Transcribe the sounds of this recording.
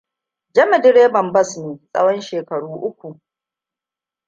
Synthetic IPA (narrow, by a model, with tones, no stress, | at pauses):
d͡ʒɐ˦mɛ˨dɪ˦ɽeː˦bɐ˨mbɐ˦sneː˨sʼɐ̰˦wɔ˦nʃeː˨kɐ˨ɽuː˦ʔʊ˦kʷu˨ʔ